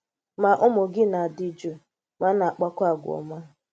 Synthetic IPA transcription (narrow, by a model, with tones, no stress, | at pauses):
ma˨ʔʊ˦mʊ˨ɡɪ˦na˨a˨dɪ˦d͡ʒo˦˨ | ma˦na˨k͡pa˦kʷa˦˨ɡʷʊ˨ɔ̰˨ma˦˨